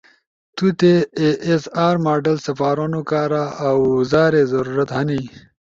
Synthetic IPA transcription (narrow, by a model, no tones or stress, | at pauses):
t̪ut̪eeːsaːɾmaːɖɐlsɐfaːɾonukaːɾaːwzaːɾezɐɾuːɾɐt̪hɐni